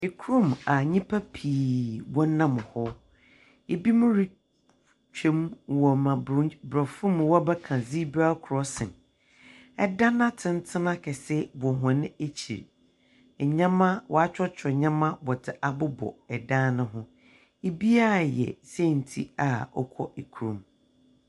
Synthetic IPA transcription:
ɪ˨kʰɾũ˦˨ma˨ɲĩ˦pʰa˦pʰiː˨wɔ̃˦n˦nã˦mʊ̃˨hɔ˦ | e˨bi˦mʊ̃˦ɾɪ˦ | t͡ʃᶣẽ˦m˨wɔ˨mã˨˦bɾɔ˨fũ˦m̃˨wɔ˦bɛ˦kʰã˨zi˦bɾa˦kʰʊ˨ɾɔ˦sɪ̰̃˨n | ɛ˦˨dã˦nã˦tʰɪ̃˦n˦tʰɪ̃˦nã˦kʰɛ˨sɛ˦bɔ˨ɦɔ̃˨nɪ̃˦e˦t͡ɕʰḭ˨ɾ | ɲã˦mã˦wɔ˨a˦t͡ɕᶣɔ˦t͡ɕʰɛ˨ɲã˦mã˦bɔ˨tʰɪ˨ʔa˨bʊ˦bɔ̰˨ɛ˨dã˦nʊ̃˦ɦʊ̃˦ | e˨bi˦a˦˨jɛ̰˨sɛ˦˨n̩˨tʰḭ˦a˨ɔ̰˦kʰɔ̰˦ʔe˨kʰu˨ɾũ˨m

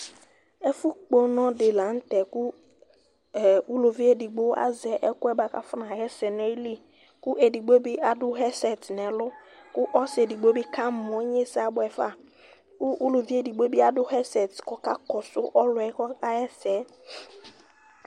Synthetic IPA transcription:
ɛ˦fʊ˦k͡po˦nɔ̃˦dɪ˨la˨˦n̩˦tɛ˨kʊ˦˨ | u˦lo˨vi˦e˦di˨ɡ͡bo˦a̰˦zɛ˨˦ʔɛ˦kʊ˦ɛ˦ba˨ka̰˦fʊ˦nã˨ɦɛ˦sɛ˨ne˦li˦ | kʊ˦ʔe˨di˨ɡ͡bo˦bi˦ʔa˨dʊ˦ɦɛ˦sɛ˨tnɛ̃˨lʊ˦kʊ˦ʔɔ˦sɪ˨e˨di˨ɡ͡bo˦bi˦ka˦˨m˨ɔ̃˨˦ɲ˦e˦sa˨˦bʊ˦ɛ˨fa̰˦˨ | kʊ˦ʔu˦lo˨vi˦e˨di˨ɡ͡bo˦bi˦a˨dʊ˦ɦɛ˦sɛ˨tkɔ˦ka˦kɔ˨sʊ˦ʔɔ˦lʊ˨ɛ˦kɔ˦ka˦ɛ˦sɛ˨˦

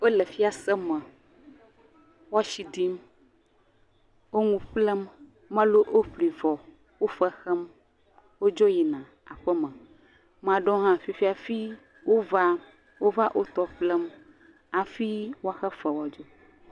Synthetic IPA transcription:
o˦lə˨fi˦a˨sə˦mə̃˨ | wa˦ʃi˨d̪i˦m | wo˦ŋũ˨ɸlɛ˦mː | ə̃˦lo˦ʔo˦ɸli˨vɔ˨ | wo˦fə˦xɛ˦m | wo˦d͡ʒɔ˦ji˨nã˨ | a˨ɸə˦mə̃˨ | m̃˨a˨ɖɔ̃˦ɦã˦fi˦fi˦a˨fi˦ | wo˦va˦ | wo˦va˦ʔo˦t̪ɔ˨ɸlɛ˦m | a˨fi˦wo˦a˦xɛ˦fə˨wɔ˦d͡ʒo˦

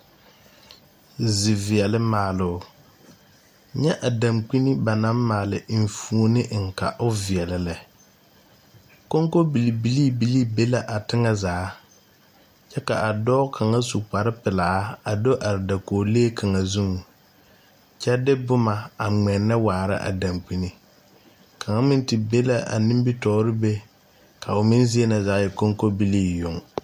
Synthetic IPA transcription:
zɪ˨vi˨ɛ˨lɪ˦maː˨lʊ˨˦ | ɲɛ˦ʔa˨da˨mk͡pi˦ni˦ba˨na˦mmaː˨lɪ˨ɱ˨fu˨o˦nɪ˦ʔŋ̩˨ka˨ʔʊ˦vi˨ɛ˨lɪ˨lɪ˨ | ko˦ŋko˦bi˨li˨bi˨li˦bi˨li˦be˦la˨ʔa˨tɪ˦ŋa˦zaː˨˦ | t͡ʃɛ˦ka˨ʔa˨dɔ˦kʰa˨ŋa˦su˨k͡pa˨ɾɪ˦pɪ˨laː˨˦a˨do˦ʔa˨ɾɪ˨da˨koː˨leː˦kʰa˨ŋa˨zu˦ŋ˨ | t͡ʃɛ˦dɪ˦bʊ˦ma˨a˨ŋ͡mɛ˨nːa˦waː˨ɾɪ̰˦ʔa̰˨da˨mk͡pi˦ni˨ | kʰa˨ŋa˦mɪ˦n˦tɪ˨be˦la˦ʔa̰˨ni˦mbi˦tɔː˦ɾɪ˦be˦ | kʰa˨ʊ˨mɪ˦n˦zi˦e˦na˨zaː˨˦jɛ˨ko˦ŋko˦bi˦liː˦jʊ˨ŋ

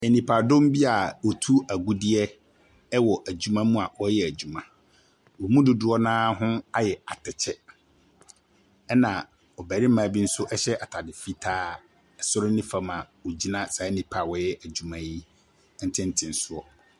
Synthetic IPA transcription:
ɛ˨nĩ˨pʰa˨dʊ̃˦m˦bi˦a˨wɔ˨tʰu˦æ˨ɡu˦dɪ˦ɛ˦ | ɛ˦wɔ˨ʔæ˨d͡ʑu˨mã˦mũ˦a˨wɔ˦jɛ˨æ˨d͡ʑu˨mã˨ | wɔ˨mũ˦dʊ˨dʊ˦ɔ˦nãː˦ɦʊ̃˦a˦jɛ˨a˨tʰɛ˨t͡ɕʰɛ˦ | ɛ˦nã˨ | ɔ˨bæ˨ɾɪ˦mãː˨˦bi˦n̩˦sʊ˦ʔɛ˦ɕɛ˦ʔa˨tʰa˨dɪ˨fi˦tʰaː˦ | ɛ˨sʊ˦ɾɪ˦nɪ̃˦fã˨mã˨wɔ˨d͡ʑi˦nã˦sa˨ɛ˦nĩ˨pʰa˨wɔ˦jɛ˦ʔæ˨d͡ʑu˨mã˦ji˦ | n̩˦tʰɪ̃˦n̩˦tʰɪ̃˨n̩˨sʊ˦ɔ˨

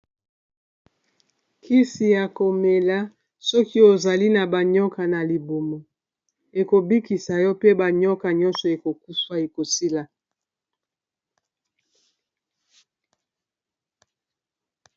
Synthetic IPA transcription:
kʰi˦si˨ja˨ko˨me˨la˦ | sɔ˦ki˦o˨za˨li˦na˨ba˨ɲɔ˦ka˨na˨li˨bo˨mo˨ | e˨ko˨bi˦ki˨sa˨jɔ˦pe˦ba˨ɲɔ˦ka˨ɲɔ˦nsɔ˨e˨ko˨ku˦swa˦e˨ko˨si˦la˨

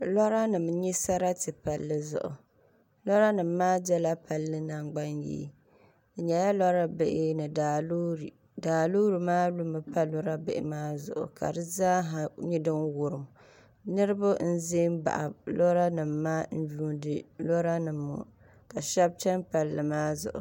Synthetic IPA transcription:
lɔ˦ɾa˦nɨ˨m˦ɲi˦sa˦ɾa˦tɨ˨pa˨lːɨ˦zʊ̰˨ʔʊ̰˨ | lɔ˦ɾa˦nɨ˨mː˨˦aː˦d͡ʒɛ˦la˦pa˨lːɨ˦na˨ŋɡ͡ba˦njḭː˦ | d̩˨ɲɛ˨ja˦lɔ˦ɾa˦bɪ˨ʔɪ˦nɨ˨da˨l | daː˨lo˦ɾɨ˨maː˦lu˦mɨ˨pa˦lɔ˦ɾa˦bɪ̰˨ʔɪ̰˨˦maː˦zʊ̰˨ʔʊ̰˨ka̰˨dɨ˦zaː˦ɦa˨ɲi˦dɨ˦nwʊ˨ɾɨ˨m | nɨ˦ɾɨ˦bʊ˦n̩˦ze˦mba̰˨ʔa̰˨lo˦ɾa˦nɨ˨mːaː˦n̩˦d͡ʒuː˦dɨ˨lo˦ɾa˦nɨ˨mːʊ̰˨ | ka˨ʃɛ˦b̚t͡ʃɛ˦npa˨lːɨ˨maː˦zʊ̰˨ʔʊ̰˨

